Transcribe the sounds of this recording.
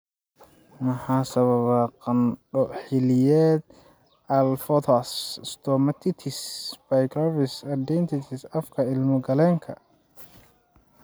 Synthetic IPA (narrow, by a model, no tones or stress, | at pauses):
mɐħaːsɐβɐβaqɑnɖɔħɪlɪjɛːd̪ | ɐlfɔt̪ʰasst̪ʰɔmɐt̪ʰɪt̪ʰɪsbajɡɾavɪsɐd̪ɛnt̪ʰɪt̪ʰɪsɐfkʰɐɪlmʊɡɐlɛːŋkʰɐ̰